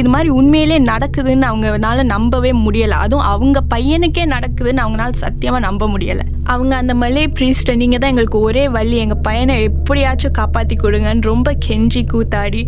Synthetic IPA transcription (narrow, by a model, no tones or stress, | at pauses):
ɪðɯmaːd̪ɾiʊnmejɪleːnɐɽɐkːɯðɯnːɯɐʋɐŋɡɐnaːlɐnɐmbɐʋeːmʊɽɪjɐlɐ̰̃ʔɐ̰ðʊ̃ʔɐʋɯŋɡɐpɐjːɐnɯkːeːnɐɽɐkːɯðɯnːɐʋɐŋɡɐnaːlsɐ̰t̪ːɪjɐmãːnɐmbɐmʊɽɪjɐ̰lɐ̰̃ | ʔɐʋɐŋɡɐːnd̪ɐmɐlepɾiːsʈɐniːŋɡɐt̪̬ãːɛŋɡɐɭɯkːɯɔɾeːʋɐɭːiɛŋɡɐpɐjɐnɐ̃ɛpːɐɽɪaːt͡ʃːʊ̃kaːpaːt̪ːikːɔɽɯŋɡɐnːɯɾɔmbɐkʰɛɲd͡ʒikːuːt̪ːaːɽi